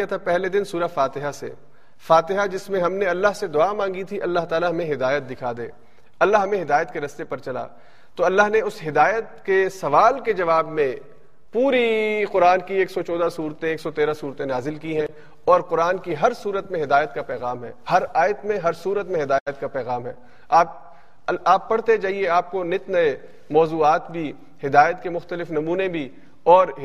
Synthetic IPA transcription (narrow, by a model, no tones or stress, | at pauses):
at̪ʰapɛɦled̪ɪnsuːɾafaːt̪ɪɦasḛ | faːt̪ɪɦad͡ʒɪsmẽɦɐmneɐlːaɦsed̪ʊaːmãːŋɡit̪ʰiʔɐlːaɦt̪aːlaɦɐmẽɦɪd̪aːjət̪̚d̪ɪkʰad̪ḛː | ɐlːaɦɐmẽɦɪd̪aːjət̪keɾɐst̪epɐɾt͡ʃɐla̰ː | t̪oɐlːaɦneʊsɦɪd̪aːjət̪kesɐʋaːlked͡ʒɐʋaːbmẽ | puːɾiqʊɾaːnkieːksɔt͡ʃɔːd̪asuːɾt̪ẽeːksɔt̪eːɾasuːɾt̪ẽnaːzɪlkiɦɛ̃ | ɔːɾqʊɾaːnkiɦɐɾsuːɾət̪mẽɦɪd̪aːjət̪kapɛːɣaːmɦɛ̰ːhɐɾaːjət̪mẽɦɐɾsuːɾət̪mẽɦɪd̪aːjət̪̚kapɛːɣaːmɦɛ̰ː | aːp̚ | aːpːɐɽ̤t̪ed͡ʒaːɦieaːp̚konɪt̪nɐe | mɔːzuːaːt̪bʱi | hɪd̪aːjət̪kemʊxt̪əlɪfnɐmuːnẽbʱi | ɔːɾ